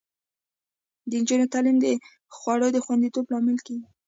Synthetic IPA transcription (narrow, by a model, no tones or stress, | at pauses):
d̪ənd͡ʒunot̪alɪmd̪ə | xwɑɽəd̪əxwand̪it̪oblɑmɪlkeɡi